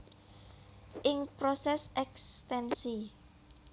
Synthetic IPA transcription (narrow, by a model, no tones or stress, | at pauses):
ʔɪŋpɾosɛsɛkst̪ɛnsi